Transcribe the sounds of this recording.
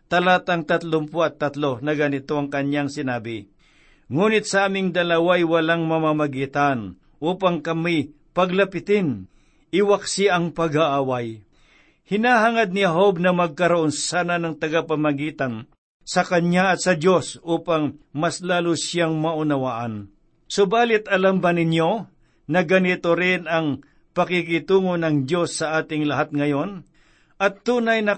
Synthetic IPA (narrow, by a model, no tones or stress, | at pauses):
t̪ɐlaːt̪ɐŋt̪ɐt̪lʊmpuɐt̪ːɐt̪lonɐɡanɪt̪oɐŋkɐɲjaŋsɪnaːbɪ | ŋuːnɪt̪̚sɐʔaːmɪŋd̪ɐlɐwaɐjwɐlaŋmɐmamɐɡiːt̪an | ʔuːpaŋkɐmi | pɐɡlɐpɪt̪ɪn | ʔɪwaksiaʔɐŋpɐɡaʔaːwaj | hɪnaːɦaŋad̪̚nɪhaɦob̚nɐmɐɡ̚kɐɾoʔonsaːnanɐŋt̪ɐɡapɐmɐɡiːt̪an | sɐkɐɲaɐt̪̚sɐd̪jo̞sʔuːpaŋmɐslaːlusjaŋmɐʔʊnɐwaːʔɐn | sobaːlɪt̪̚ɐlambɐnɪɲjo̞ | nɐɡɐnɪt̪o̞ɾɪnɐŋ | pɐkɪkɪt̪uːŋo̞nɐŋd̪jo̞sːɐʔaːt̪ɪŋlɐɦat̪̚ŋɐjo̞n | ʔɐt̪ːuːnɐjnɐ